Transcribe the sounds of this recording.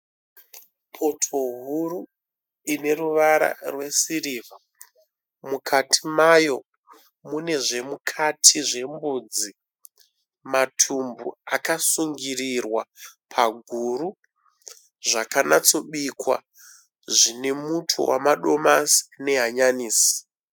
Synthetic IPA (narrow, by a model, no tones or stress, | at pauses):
pʰo̞tʰo̞ɦuɾu | ine̞ruʋaɾa̰rwe̞siriːva | mukʰatʰimajo̞ | mune̞ʐe̞mukʰatʰiʐe̞mbuːd͡zi | matʰumbṵakasuŋɡirirwapʰaɡʱuɾu | ʐakanat͡so̞ɓikwa̰ | ʐine̞mutʰṵwa̰maɗo̞masi̥ne̞ɦaɲaniːsi̥